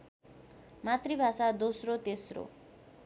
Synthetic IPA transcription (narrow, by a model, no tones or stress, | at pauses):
mat̪ribʱasad̪osrot̪esro̰